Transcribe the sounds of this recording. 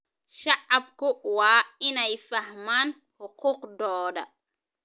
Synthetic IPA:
ʃɑʕɑbkʊwaːɪnɛjfɐhmaːn | hʊquːqd̪ɔːdɐ

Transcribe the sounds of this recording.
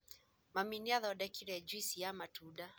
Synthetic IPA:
maminiaðɔɗɛkiɾɛd͡ʒisiamatuɗa

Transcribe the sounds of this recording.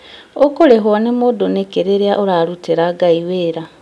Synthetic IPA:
okoleɦwonemodonekeɾeɾjaʔoɾaɾuteɾaɡaiweɾa

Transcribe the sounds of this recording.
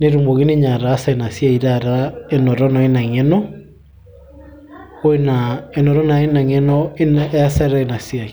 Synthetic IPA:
neɾumbɔɣeneɲaɾaːsaenasjaiɾaɾaenɔɾɔnaenaŋɛnɔ | oenaenɔɾɔnaenaŋɛnɔenasaɾaenasiai

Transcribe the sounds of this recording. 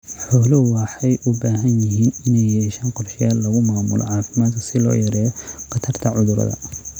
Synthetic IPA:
ħɔːlʊwɑħɛjʔʊbaːɦɐnjɪɦiːnɪnɛjɛːʃaːnqɔrʃɪjaːllːɐɣʊmaːmʊ̰lʔɔ̰ʕɑːfɪmaːd̪kʰɐ̥sɪlɔ̰ːjɐɾɛːjɔqɑt̪ʰɐrt̪ʰɐʕʊðʊɾɐ̰ðɐ̰

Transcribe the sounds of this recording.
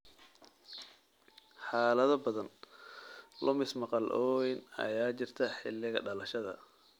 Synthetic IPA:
ħɑːlɐðɐbɐðɐn | lʔɔmɪsmɑqɑlʔɔwɛnɐ̰jaːt͡ʃɪrt̪ʰɐħɪ̰lːɪɣɐɖɐlɐʃɐðɐ̰

